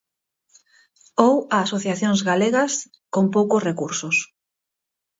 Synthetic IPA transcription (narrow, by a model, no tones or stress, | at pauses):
owaːsoθjaθjoŋzɣaleɣɐs | kompowkʊsrekuɾsʊs